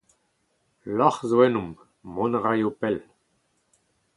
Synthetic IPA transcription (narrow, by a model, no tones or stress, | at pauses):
lɔχzoɛnumː | ɔ̃nʁajopɛl